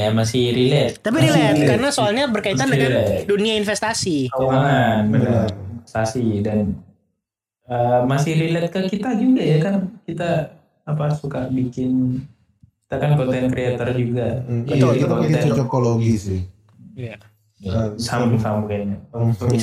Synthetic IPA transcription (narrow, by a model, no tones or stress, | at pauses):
jamasɪhɾilɛt̪̚t̪ap̬iɾilɛt̪karnasoalɲabərkaianaailɛduniainfɛst̪asiomaŋanbənainfɛ̥st̪asidan | əmasɪhɾilɛt̪̚kəkit̪ad͡ʒuɡajakankit̪aː | pasukabikɪn | ki̥t̪akankɔnt̪ɛnkɾiat̪ɔrd͡ʒuɡaak̪aakiat̪ɔik̪ɛt͡ʃɔt͡ʃokoloɡisɪh | jasambɪŋsambanaasoi